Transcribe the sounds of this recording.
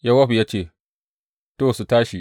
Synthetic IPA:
ja˦wa˦ɸu˨ja˦t͡ʃeː˦˨ | to˦˨su˨taː˦ʃi˨

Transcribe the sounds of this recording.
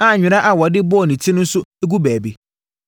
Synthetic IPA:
a˨ɲᶣɪ̃˨ɾa˦ʔa˨wɔ˨dɪ˦bɔ˦˨nĩ˨tʰi˦nʊ̃˦n̩˦sʊ˦e˦ɡu˦bæː˨be˨

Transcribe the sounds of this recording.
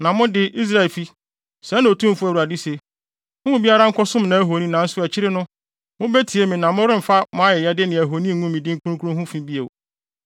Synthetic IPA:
nã˨mʊ̃˦dɪ˦ʔi˦s̬ɾa˨ɪ˨lfi˦ | sɛ˨˦ñ˨o˨tʰũ˦m˨fʊ˦æ˨wu˨a˨dɪ˦se˨ | hʊ̃˦bi˦a˦ɾa˦ŋ̩˦kʰɔ˦sʊ̃˦mnã˨æ˦ɦo˨nĩ˦nã˨n̩˦sʊ˦æ˨t͡ɕʰɪ˦ɾɪ˦nʊ̃˦ | mʊ̃˦be˦tʰi˨e˦mĩ˨nã˨mʊ̃˦ɾɪ̃˦m̩˨fa˦mʊ̃˦a˦jɛ˨jɛ˦dɪ˦nɪ̃˨æ˨ɦo˨nĩ˦˨ŋũ˦m˨mĩ˨dɪ˦ŋ̩˦kʰu˦ũ˦kʰu˦ũ˦ɦʊ̃˦fĩ˦bi˦ḛ˨

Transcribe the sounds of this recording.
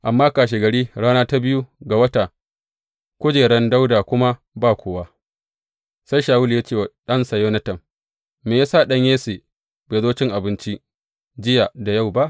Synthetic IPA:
ʔa˨mːaː˦kaː˨ʃ̬e˨ɡɐ˨ɽiː˦ɽaː˦naː˦ta˦bɪ˦ju˦ɡa˨wɐ˦ta˨ | kʷʊ˦d͡ʒeː˨ɽɐ˦nda˦wdaː˨kʷʊ˦ma˦ | baː˦˨kʷoː˨wa˦ | sa˦jʃaː˨wʊ˦ljaː˦t͡ʃeː˦˨wa˨ɗɐ˦nsɐ˨joː˦nɐ˦tɐ˨m | meː˨jaː˦sa˦˨ɗɐ˦ɲjeː˦seː˨ | beː˨zoː˦t͡ʃɪ˦ŋʔa˨bɪ˦nt͡ʃi˦ | d͡ʒɪ˦ja˨da˨ja˦˨wba˦ʔ

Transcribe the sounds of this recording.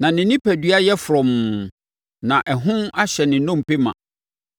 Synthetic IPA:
nã˨nɪ̃˨nɪ̃˦pæ˨dɥa˦jɛ˦fɾɔ̃˨m˨ | nã˨ʔɛ˨ɦʊ̃˦ma˦ɕɛ˨nɪ̃˨nʊ̃˦m˨pe˦mã̰˨

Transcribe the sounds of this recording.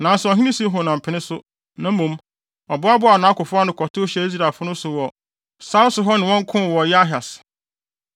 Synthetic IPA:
nã˨n˨sɛ˨ɔ˨ɦĩ˦nɪ̃˦si˦ɦʊ̃˨nã˨m̩˨pʰɪ˨nɪ̃˦sʊ˦ | nã˨˦mũ˨m | ɔ˨bʊ˦a˦bʊ˦a˨nã˨˦kʊ˨fʊ˦a˦nʊ̃˨kʰɔ˨tʰʊ˦ɕɛ˦i˦s̬ɾa˨fʊ˦nʊ̃˦sʊ˨wɔ˨ | sa˦lsʊ˨ɦɔ˦nɪ̃˨wɔ̃˦ŋ˦kʰʊ̃˦˨wɔ˨jɛ˦a˦ɦa˨s

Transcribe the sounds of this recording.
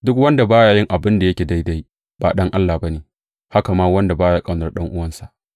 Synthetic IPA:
dʊ˦kwɐ˦nda˨baː˦jaː˨jɪ˦ŋʔa˨bɪ˦nda˨jɐ˦kʲeː˨da˦jda˦j | b̥a̰ː˨ɗɐ˦ŋʔa˦lːaː˨bɐ˦neː˨ | ha˦ka˨maː˦wɐ˦nda˨baː˦jaː˦kʼa˦nɐ˦rɗɐ˦ŋʔʊ˦wɐ˦nsa˨ʔ

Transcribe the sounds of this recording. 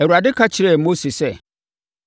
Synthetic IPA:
ɛ˨wu˨ɾa˨dɪ˦kʰa˦t͡ɕʰɪ˨ɾɛ˦˨mo˦se˨sɛ˦

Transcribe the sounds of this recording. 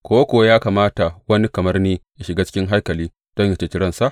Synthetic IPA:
kʷoː˦wa˦kʷʊ˨wa˦jaː˦kaː˨maː˦ta˨wɐ˦ni˦kɐ˨mɐ˦rniː˦ja˨ʃɪ˨ɡaː˦t͡ʃɪ̥˦kʲɪ˦ŋɦa˦jkɐ˨liː˦ | d̥ɔ˦ɲja˨t͡ʃe˨t͡ʃɪ˦ɽɾɐ˦nsa˦˨ʔ

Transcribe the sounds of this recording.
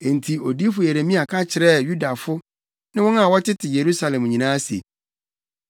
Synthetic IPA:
ẽ˨n̩˨tʰi˨o˨di˦fʊ˨e˨ɾe˨mĩ˦a˨kʰa˦t͡ɕʰɪ˨ɾɛ˦˨ju˦da˨fʊ˦ | nɪ̃˦wɔ̃˦na˨wɔ˦tʰɪ˦tʰɪ˨je˨ɾu˦sa˨lɛ̃˨m˨ɲĩ˨nãː˦sḛ˨

